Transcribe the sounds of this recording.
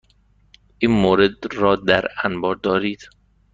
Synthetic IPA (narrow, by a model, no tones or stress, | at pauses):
ʔiːnmoːɾed̪ɾɒːd̪æɾænbɒːɾd̪ɒːɾiːd̪̥